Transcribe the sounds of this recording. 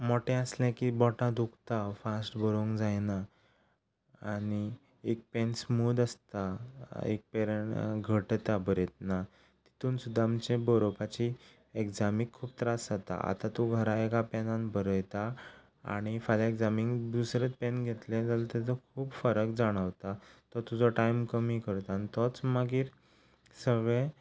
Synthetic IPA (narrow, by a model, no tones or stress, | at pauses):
mɔʈɛ̃əslɛ̃kibɔʈãd̪ʱukt̪afasʈbəɾoŋɡd͡zajna | ɽ̃i | ek̚pɛnsmuːd̪əst̪aḛk̚peɾɳɡʱəʈt̪abəɾet̪̚na | t̪i̥t̪uːnsud̪ʱːamt͡ɕẽbəɾopat͡ɕi | eɡd͡zamikʰːuːp̚t̪ɾasat̪a̰a̰t̪at̪uɡʱəɾaekapɛnãnbəɾəjt̪a | a̰ɽ̃ifalaekd͡zamiŋɡd̪usɾet͡spɛnɡʱet̪lẽd͡zalt̪et͡s̪əkʰuːpfəɾəkd͡zaɽ̃əʋt̪at̪əɾt̪ud͡zɔʈajmkəmikəɾt̪anit̪ɔt͡smaɡiːɾ | səɡɭẽ